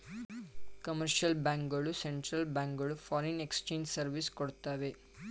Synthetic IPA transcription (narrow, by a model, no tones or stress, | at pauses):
kɐməɾʃɐlbãŋkɡɐɭuseɳʈɾɐlbãŋɡɐɭufɔɾenekst͡ʃẽːɲd͡ʒsɐɾʋiskɔɽt̪aʋe